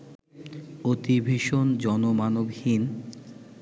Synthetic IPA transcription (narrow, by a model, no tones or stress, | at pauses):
ot̪ibʱeʃond͡ʑɔnomanobhin